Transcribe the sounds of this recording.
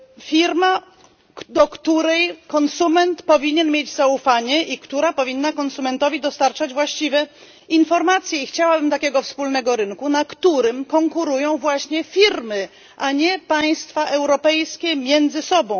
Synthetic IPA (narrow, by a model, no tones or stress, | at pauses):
fʲiɾma | d̪ɔkt̪uɾɛjkɔnsumɛnt̪pɔvʲiɲɛnmʲjed͡ʑzaufaɲɛikt̪uɾapɔvʲinːakɔnsumɛnt̪ɔvʲid̪ɔst̪aɾt͡ʂad͡ʑvwaɕt͡ɕivɛ | infɔɾmat̪sʲjɛixt͡ɕawabɘmt̪akʲɛɡɔfspulnɛɡɔɾɘnkunakt̪uɾɘmkɔŋkuɾujɔ̃w̃vwaɕɲɛfʲiɾmɘ | ʔaɲɛpaj̃st̪faʔɛwɾɔpɛjskʲɛmʲjɛnd̪zɘsɔbɔ̃w̃